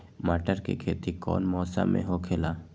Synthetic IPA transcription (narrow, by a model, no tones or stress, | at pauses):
maːʈəɾkḛkʰeːt̪ikɔ̰ːnmɔːsa̰mʔḛ̃ɦokʰelaː